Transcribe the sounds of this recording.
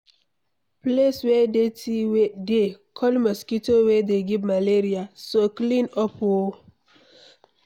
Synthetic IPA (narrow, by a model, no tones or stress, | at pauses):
pleswɛdetidekʰɔlmɔskitowɛdeɡivmaleɾiasoklĩnɔpo